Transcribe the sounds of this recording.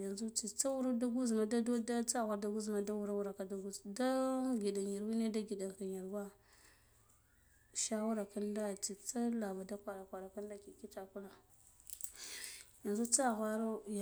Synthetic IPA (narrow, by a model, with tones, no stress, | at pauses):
ja˨nzu˦t͡ʃi˨t͡sa˦wu˦ɾa˦da˦ɡu˦zma˨da˦dda˦t͡sa˦˨ɣʷa˨ɾda˦ɡu˦zma˨da˦wu˦ɾa˦wu˦ɾa˨ka˨da˦ɡu˦zda˦ɡi˨da˨nja˨ɾwi˦ne˦da˦ɡi˨da˨ŋka˨ɲ˨a˨ɾwa˦ | ʃa˦wu˦ɾa˨ka˦nda˦t͡si˨t͡sa˦la˨ba˨da˦kʷa˨ɾa˨kʷa˨ɾa˨ka˦nda˦ki˨ki˦ta˨ku˦la˨ | ja˨nzu˦t͡sa˦˨ɣʷa˦ɾo˦j